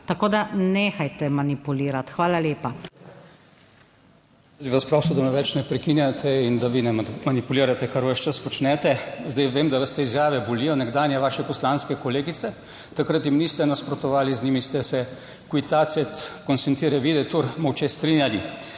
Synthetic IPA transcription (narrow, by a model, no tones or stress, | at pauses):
t̪ɐkoːd̪aneːxajt̪ɛmanipuliːɾat̪xʋaːlaleːpa | ziʋaspɾɔwsɔd̪amɛʋɛt͡ʃnɛpɾɛkinjat̪ʰɛind̪aʋinɛmanipuliːɾat̪ɛkaɾʋəʃt͡ʃəspɔt͡ʃnɛːt̪ɛzd̪ɛjʋemd̪aʋɐst̪ɛizjaːʋɛbɔliːjɔnɛɡd̪aːnjɛʋaːʃɛpɔslanskɛkoɔleːɡit̪sɛ | t̪akɾət̪jimniːst̪ɛnaspɾɔt̪ɔʋaːliznimist̪ɛsɛ | kwit̪asɛt̪kɔnsɛnt̪iːɾɛʋid̪ɛt̪uɾmɔwt͡ʃest̪ɾiːnjali